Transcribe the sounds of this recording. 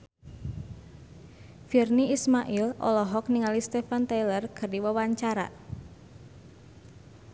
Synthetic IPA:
firniismaʔilʔɔ̰lɔɦɔk̚niŋalist̪efant̪ejlərkʰərdiwəwaɲt͡ʃaɾa̰

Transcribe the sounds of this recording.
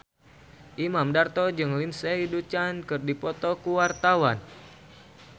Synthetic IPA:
ʔimamdart̪ɔd͡ʒɨŋlinseidut͡ʃankɨrdipɔt̪ɔkuwart̪awan

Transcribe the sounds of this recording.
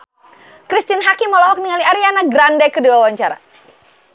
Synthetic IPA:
kɾist̪inɦakimːɔlɔɔk̚niŋaliaɾianaɡɾandɛkəduawaɲt͡ʃaɾa̰

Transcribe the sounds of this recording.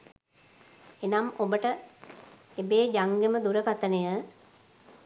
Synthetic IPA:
enamobəʈə | ebeːd͡ʒaŋɡeməd̪uɾəkat̪ənəjə

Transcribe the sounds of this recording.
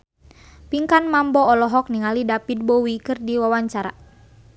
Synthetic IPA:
piŋkanmambɔɔlɔɦɔk̚niŋalidapid̪̚bɔwikɨrdiwawaɲt͡ʃaɾa̰

